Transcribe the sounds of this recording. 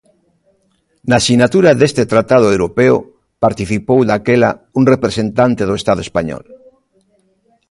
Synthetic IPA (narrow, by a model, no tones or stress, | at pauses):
nasinat̪uɾaðest̪et̪ɾat̪að̞oewɾopeo̰ | paɾt̪iθipowðakela̰uŋrepɾesent̪ant̪eðoest̪að̞oespaɲɔ̰l